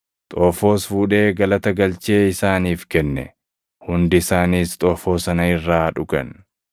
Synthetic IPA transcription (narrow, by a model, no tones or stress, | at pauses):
t̪ʼoːfo̞ːsfuːᶑe̞ːɡɐlɐt̪ɐɡɐlt͡ʃe̞ːɪsaːniːfkɛnːɛ̰ | hʊnd̪ɪɪsaːniːst̪ʼoːfo̞ːsɐnɐɪrːaːᶑʊkɐ̰n